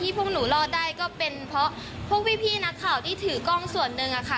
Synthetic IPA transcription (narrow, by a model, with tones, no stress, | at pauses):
t̪ʰiː˥˩pʰu˥˩ŋ̚nuː˩˦lɔː˧daː˥˩jkɔː˥˩pe˧npʰɔ˦˥ | pʰu˦˥ək̚wi˦˥pʰiː˥˩na˦˥kʰːaː˨˩wt̪ʰiː˥˩t̪ʰɯː˨˩˦kɔː˥˩ŋsu˨˩ənːɯ˧ŋʔa˨˩kʰa˧˥˩